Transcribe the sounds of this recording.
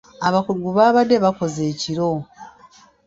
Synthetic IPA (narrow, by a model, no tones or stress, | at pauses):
aβakuɡuβaːβade̞βako̞ze̞ːciɾo̞